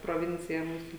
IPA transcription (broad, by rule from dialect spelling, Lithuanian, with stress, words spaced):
proːˈʋʲɪnʲt͡sʲɪjɛ ˈmuːsʊ